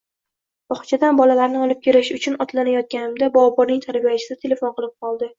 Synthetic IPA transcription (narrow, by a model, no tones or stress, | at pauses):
b̥ɒχt͡ʃʰad̪anbɒlalaɾnɪɒlˠɪp̚kʲe̞ɾɪʃʊt͡ʃʰʊnɒt̪lanajɒt̪̚ɡʲanɪmd̪abɒwɒbɒɾnɪŋt̪ʰaɾbijat͡ʃʰɪd̪at̪ʰe̞le̞fonqɨlˠɪp̚qʰɒlˠd̪ɪ